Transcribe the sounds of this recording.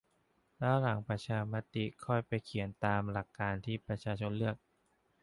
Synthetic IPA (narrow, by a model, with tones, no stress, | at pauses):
lɛː˦˥wla˨˩˦ŋpɾa˧t͡ɕʰaː˧ma˦˥t̪i˨˩kʰɔ˥˩jpa˧jkʰi˩˦ənt̪aː˧mla˨˩kːaː˧nt̪ʰiː˥˩pɾa˧t͡ɕʰaː˧t͡ɕʰo˧nlɯ˥˩ək̚